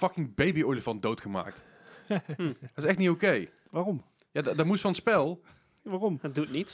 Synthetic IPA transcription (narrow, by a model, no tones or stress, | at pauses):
fɑkɪŋbejbioɹləvɑndowtχəma̰ːk̚t | dtɪsɛχtnitowkej | ʋaːrɔm | jaːddɔɹmustfɑnənspɛlˠ | ʋaːrɔm̚dutnit